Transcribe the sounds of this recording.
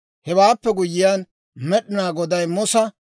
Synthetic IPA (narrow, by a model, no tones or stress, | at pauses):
hɛwaːpːɛɡʊjːɪjaːn | mɛɗɪnaːɡɔd̪ɐjmʊsɐ